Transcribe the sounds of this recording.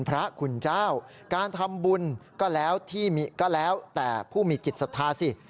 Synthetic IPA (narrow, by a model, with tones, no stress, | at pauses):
npʰɾa˦˥kʰu˧nt͡ɕaː˥˩w | kaː˧nt̪ʰa˧mbu˧nkɔː˥˩lɛː˦˥wt̪ʰiː˥˩mi˧kɔː˥˩lɛː˦˥wt̪ɛː˨˩pʰuː˥˩miː˧t͡ɕi˨˩t̪̚sa˧t̪ʰaː˧si˧˩